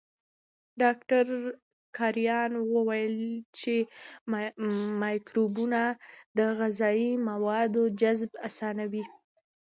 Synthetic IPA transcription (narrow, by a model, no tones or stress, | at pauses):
ɖɑk̚ʈaɾ | kʰɑɾjɑnwəwajəlt͡ʃe | mɑjkɾubunad̪əɣazɑimawɑd̪od͡ʒazbasɑnawi